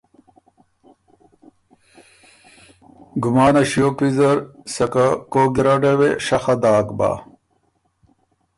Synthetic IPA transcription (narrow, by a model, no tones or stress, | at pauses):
ɡumaːnɐɕijoːpizɐɾsɐkakoɡiɾɐɖeweʂɐxɐd̪aːkba̰ː